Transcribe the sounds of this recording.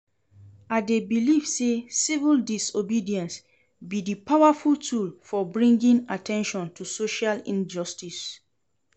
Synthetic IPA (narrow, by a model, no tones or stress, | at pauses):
adebilivsesivuldisobidiɛ̃ns | bidipawafultʰulfɔbɹĩŋɡĩnatʰɛ̃nʃɔ̃ntʰusoʃalĩnd͡ʒɔstis